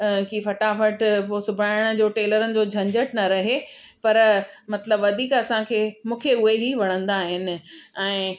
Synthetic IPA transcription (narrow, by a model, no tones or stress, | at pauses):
kiːfɐʈafəʈpoːsʊbʱaːɪɽ̃ʊ̆d͡ʑoːʈeːləɾənɪ̆d͡ʑoːd͡ʑʱɐ̃ɲd͡ʑəʈnɐɾɐɦe | pɐɾmɐt̪ləbʋɐd̪ʱiːkɐsãkʰeːmũːkʰeʊɦeɦiʋɐɽ̃ə̃nd̪aːɦɪnɪ̆ɛ̃ː